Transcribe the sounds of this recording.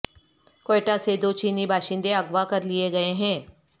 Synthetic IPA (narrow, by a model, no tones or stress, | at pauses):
koeːʈased̪oːt͡ʃiːnibʱaːʃɪ̃nd̪eɐɡʋakɐɾlɪeɡɐeɦɛ̃ː